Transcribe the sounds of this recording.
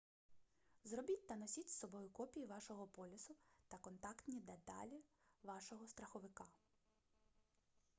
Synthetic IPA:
zrɔbʲit̚ʲt̪ɐnɔsʲitʲsɔbɔjʊkɔpʲijiʋɑʃɔɦɔpɔlʲɪsʊt̪ɐkɔnt̪ɑkt̪nʲid̪et̪ɑ̰lʲiʋɑʃɔɦɔst̪ɾɐxɔʋɪkɑ

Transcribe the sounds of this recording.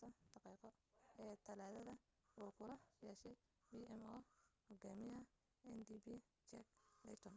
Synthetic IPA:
t̪ʰɐd̪̥ɑqiːqɔɛːt̪ʰɐlaːðɐðɐ | uːkʰʊlɐjɛːʃɛj | biːɛmɔːhɔɡaːmɪjɐ | ɛnd̪iːbi | t͡ʃɛk̚lɛ̰jt̪ʰɔn

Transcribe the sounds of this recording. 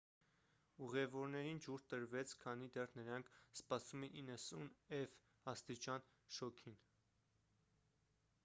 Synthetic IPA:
uʁɛvɔɾnɛɾind͡ʒuɾt̪əɾvɛt͡sʰkʰɑnid̪ɛrnəɾɑŋkʰspɑsumɛinːəsunɛv | ɑst̪it͡ʃɑn | ʃɔkʰin

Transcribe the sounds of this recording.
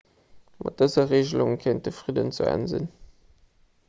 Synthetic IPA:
mʔɑ̰t̚d̥əzɐʁeːʑəluŋkʰent̚dəfʁidə̰nt͡sṵæ̰nzḭn

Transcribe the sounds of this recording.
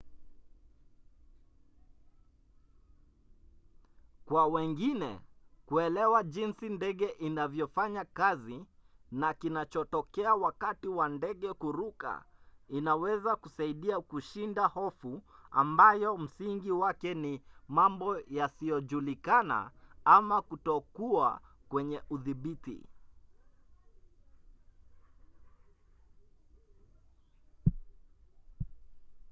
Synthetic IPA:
kwawɛŋɡinɛ̰kuɛlɛwaʄinsindɛɠɛʔinavjɔfaɲakazinakinat͡ʃɔtɔkɛawakatiwandɛɠɛkuɾuka̰inawɛzakusaiɗiakuʃindahɔfua̰mbajɔm̩siŋɡiwakɛnimambɔjasijɔʄulikana̰amakutɔkua̰kwɛɲɛʔuðiɓitḭ

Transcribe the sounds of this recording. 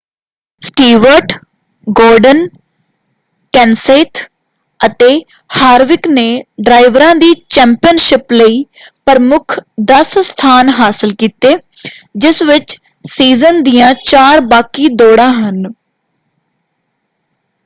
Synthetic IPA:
sʈiːʋəɾʈ | ɡoːɾɖən | kɛːnseːt̪ʰ | ət̪eː | haːɾʋɪkneːɖɾaːiʋɾãːd̪iːt͡ʃɛ̃ːmpɪjənʃɪpləiːpəɾəmʊkʰd̪əsst̪ʰaːnɦaːsɪlkiːt̪eːd͡ʒɪsʋɪt͡ʃ | siːzənd̪ijãːt͡ʃaːɾbaːkiːd̪oːɽãːɦən

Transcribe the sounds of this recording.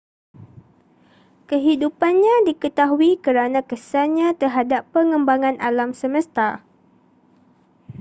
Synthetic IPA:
kəɦidupanɲãdikət̪aɦuikəɾanãkəsaɲãt̪ərɦadapːəŋəmbaŋãnʔalamsəmə̃st̪a

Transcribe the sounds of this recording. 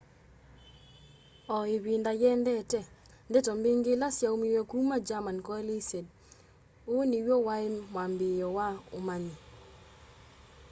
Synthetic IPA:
ɔeβindajɛndɛtɛ | ndɛtɔmbeŋɡelasjaomiwekumad͡ʒamankɔɛlised̚ | oniwowaemwambɪjɔwaomaɲi

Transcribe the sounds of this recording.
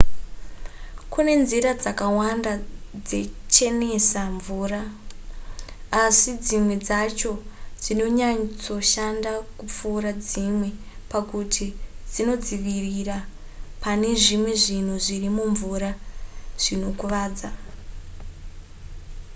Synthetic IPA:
kune̞nziɾad͡zakawandad͡ze̞t͡ʃe̞ne̞saɱvuːra | sid͡zimwe̞d͡zat͡ʃo̞d͡zino̞ɲat͡so̞ʃandakup͡fuːɾad͡zimwe̞ | pakutʰid͡zino̞d͡ziʋirira | pane̞ʐimwe̞ʐin̤uʐirimuɱvuɾaʐ̥ino̞kuʋaːd͡za

